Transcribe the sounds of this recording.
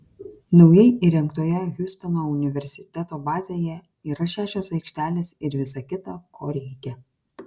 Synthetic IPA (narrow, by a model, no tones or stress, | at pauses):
nɒʊjɛɪʔiɾʲɛŋkt̪oːjɛɣʲʊsʲt̪ɐnoːʊnʲɪʋʲɛɾʲsʲɪ̥t̪ʲɛt̪oːbɑːzʲeːjɛ | iːɾɐʃʲæːʃʲoːsɐɪkʃʲt̪ʲæːlʲeːsɪɾʋʲɪsɐkʲɪt̪ɐkʰoːɾʲɛɪkʲɛ